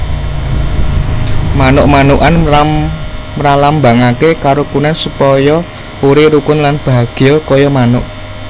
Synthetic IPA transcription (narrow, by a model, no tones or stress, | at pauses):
manʊʔmanuʔana | ralambaŋakekaɾokunansupɔjɔ | uɾeɾukʊnlanb̥a̤ɡ̥ɔkɔjɔmanʊʔ